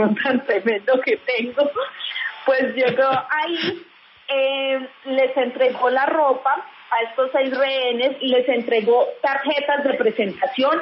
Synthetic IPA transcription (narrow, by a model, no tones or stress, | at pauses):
unt̪ant̪ɾemẽnd̪oket̪eŋɡo | pwezd͡ʒeɡoʔai | ele̞se̞nt̪ɾe̞ɡo̞laro̞pa | ae̞st̪osejzreene̞sle̞se̞nt̪ɾe̞ɣo̞t̪aɾxe̞t̪azd̪e̞pɾe̞se̞nt̪asjo̞n